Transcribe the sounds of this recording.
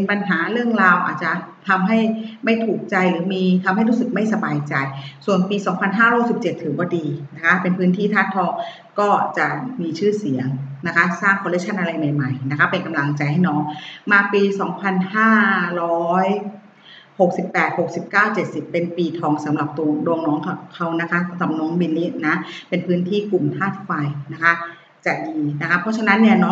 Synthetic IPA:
e˧npa˧nɦaː˩˦ɾɯ˥˩əŋɾaː˧wʔa̰ː˨˩t̪̚t͡ɕa˨˩t̪ʰa˧mɦa˥˩jma˥˩jt̪ʰuː˨˩k̚t͡ɕa˧jɾɯː˩˦miː˧t̪ʰa˧mha˥˩jɾuː˦˥sɯ˨˩k̚ma˥˩jsa˧baː˧jt͡ɕa˧jsu˨˩ənpiː˧sɔː˩˦ŋpʰa˧nɦaː˥˩ɾɔː˦˥jsi˨˩p̚t͡ɕe˨˩t̪ʰːɯː˩˦bɔː˧˩diː˧na˦˥kʰa˦˥pe˧npʰɯː˦˥nt̪ʰiː˥˩t̪ʰaː˦˥˩nt̪ʰɔː˧ŋ | kɔː˥˩t͡ɕa˨˩miː˧t͡ɕʰɯː˥˩si˨˩˦əŋna˦˥kʰa˦˥saː˥˩ŋkʰɔ˧le˦˥k̚t͡ɕʰa˥˩nʔa˧ɾa˧jma˨˩jma˨˩jna˦˥kʰa˦˥pe˧nka˧mla˧ŋt͡ɕa˧jha˥˩jnɔː˧˥˩ŋmaː˧piː˧sɔː˩˦ŋpʰa˧nhaː˥˩ɾɔː˦˥j | ho˨˩k̚si˨˩pːɛː˨˩t̪̚ho˨˩k̚si˨˩p̚kaː˥˩wt͡ɕe˨˩t̪̚si˨˩pːe˧npiː˧t̪ʰɔː˧ŋsa˨˦mɾa˨˩p̚t̪u˧du˧əŋnɔː˦˥ŋkkʰa˦˥wna˦˥kʰa˦˥sa˨˦mɾa˨˩p̚nɔ˦˥ŋbi˧nːiː˦˥na˦˥pe˧npʰɯː˦˥nt̪ʰiː˥˩ku˨˩mt̪ʰaː˥˩t̪̚ʰfa˧jna˦˥kʰa˦˥ | t͡ɕa˨˩diː˧na˦˥kʰa˦˥pʰɔ˦˥t͡ɕʰa˧na˦˥nːi˥˩ɐnɔ˦˥

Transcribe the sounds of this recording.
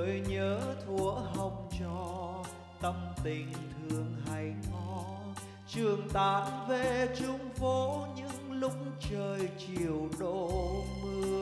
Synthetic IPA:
jɲəː˨˦t̪ʰu˧˩˦əɦə˧˩wŋ͡m̚t͡ɕɔ˧˩ | t̪ə˧˩mt̪ï˧˩ŋ̟t̪ʰɨ˨˧˩əŋɦa˨˦jŋɔ˧˩˦ | t͡ɕɨ˨˩əŋt̪aː˧˨˥nve˨˩t͡ɕʊ˧˦ŋ͡mvo˧˦ɲɨ̰˧˥ŋlʊ˧˥ŋ͡m̚ŋ͡mt͡ɕəː˧˩jt͡ɕi˧˩˨əwɗo˧˥mɨ˧

